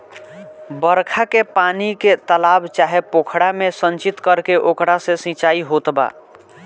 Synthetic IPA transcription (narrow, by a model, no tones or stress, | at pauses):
bəɾkʰakepaniket̪əlabt͡ʃaɦepokʰɽamesənt͡ʃit̪kəɾkeʔokɾasẽsĩt͡ʃaiɦot̪ba̰